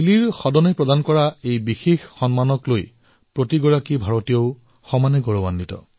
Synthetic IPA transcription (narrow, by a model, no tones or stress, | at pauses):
iliɹxɔdɔnepɹɔdankɔɹaejbixexːɔnmanɔkloj | pɹotiɡɔɹakibʱaɹɔtijoʊ | xɔmanɛɡɔɹɔbanːitɔ̰